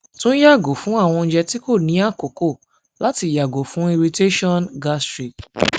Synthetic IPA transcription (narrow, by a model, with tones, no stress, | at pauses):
tũ˦n̩˦ja˦˨ɡo˨fũ˨˦a˦˨w̃ɔ̃˧n̩˦d͡ʒɛ˧ti˦ko˦˨nĩ˨˦a˦˨ko˨ko˦˨ | la˦ti˧˨ja˨ɡo˨fũ˨˦i˧ɾi˧te˦ʃɔ̃˦nɡa˦stɾi˨k